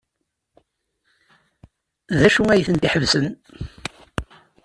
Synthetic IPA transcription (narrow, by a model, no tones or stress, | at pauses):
ðæʃuŋæjθənt̪iħəvsən